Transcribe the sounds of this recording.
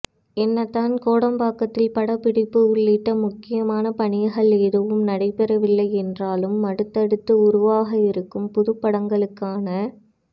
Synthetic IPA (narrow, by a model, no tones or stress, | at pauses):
ɛnːɐt̪ːaːnkoːɽɐmbaːkɐt̪ːɪlpɐɽɐpɪɽɪpːɯʊɭːɪʈːɐmʊkːɪjɐmaːnɐpɐɳɪjɐɣɐɭeːðɯʋɯmnɐɽɐɪpɛɾɐʋɪlːɐɪɛndraːlɯmːɐɽɯt̪ːɐɽɯt̪ːɯʊɾʊʋaːɣɐɪɾɯkːɯmpʊðɯpːɐɽɐŋɡɐɭɯkːaːnɐ